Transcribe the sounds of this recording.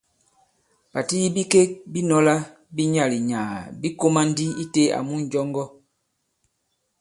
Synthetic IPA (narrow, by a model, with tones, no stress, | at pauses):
ba˨ti˦ji˦bi˦ke˦k̚bi˦nɔ˦la˦ | bi˦ɲa˨li˨ɲaː˨bi˦ko˦ma˦n˦di˦i˦te˦a̰˨mu˦n̩˨d͡ʒɔ˦ŋɡɔ˦